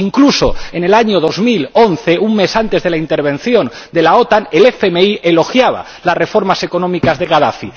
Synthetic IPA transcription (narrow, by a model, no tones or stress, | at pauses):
iŋklusoenelaɲoð̞o̞zmilonθeʔuŋme̞sant̪e̞zðe̞laint̪eɾβ̞ẽ̞nθjo̞n | d̪e̞laot̪anelefemeiʔelo̞xjaβ̞a̰ | lasre̞fo̞ɾmase̞konõmikazðeɣaðafi